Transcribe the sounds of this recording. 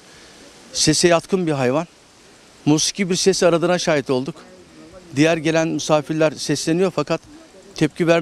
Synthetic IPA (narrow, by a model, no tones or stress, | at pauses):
se̞sɛjat̪kʰɯnbiɦajvan | muːsi̥cʰibiɾsesiaɾad̪ɯnaʃaːjit̪o̞lˠd̪ukd̪ijæɾɟe̞lʲænmusaːfiɾlʲæɾsɛslʲe̞nijo̞ɾfakʰat̪ʰː | ɛp̚civæɾ